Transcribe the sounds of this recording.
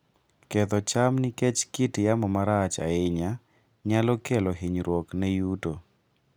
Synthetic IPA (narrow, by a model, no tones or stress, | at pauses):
kɛt̪ɔt͡ʃamnɪkɛt͡ʃkitjamɔmaɾat͡ʃa̰ɪɲa | ɲalɔkɛlɔɦiɲɾwɔknɛjuto